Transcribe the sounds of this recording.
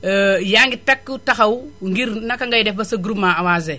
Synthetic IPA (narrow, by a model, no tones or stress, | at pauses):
jaŋɡitakːutaxawuŋɡiɾnakaŋɡajdefbasaɡɾumaawaze